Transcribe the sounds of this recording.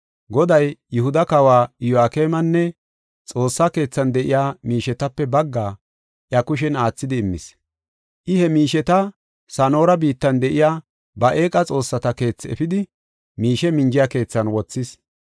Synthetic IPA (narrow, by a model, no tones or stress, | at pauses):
ɡɔd̪ɐjjʊhʊd̪ɐkɐwaːɪjɔaːke̞ːmɐnːɛ | t͡sʼo̞ːsːake̞ːt͡sːɐnd̪ɛʔɪjaːmiːʃɛt̪ɐpːɛbɐɡːaː | ʔjɐkʊʃ̬ɛnaːt͡sːɪd̪ɪːmːɪ̰s | ʔɪhɛmiːʃɛt̪ɐ | sɐno̞ːɾɐbiːt̪ːɐnd̪ɛʔɪjaː | bɐʔe̞ːkʼɐt͡sʼo̞ːsːɐt̪ɐke̞ːt͡sːɛfɪd̪ɪ | miːʃɛmɪnd͡ʒɪjake̞ːt͡sːɐnwɔt͡sːɪs